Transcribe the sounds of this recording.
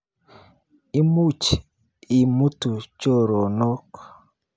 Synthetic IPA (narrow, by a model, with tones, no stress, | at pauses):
i˦mu˦t͡ʃ | i˨mu˦tu˨t͡ʃo˦ɾo˨nɔ˦k